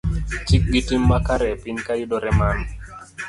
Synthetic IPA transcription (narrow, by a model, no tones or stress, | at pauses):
t͡ʃɪk̚ɡitimːakaɾɛpɪɲkajʊdoɾɛman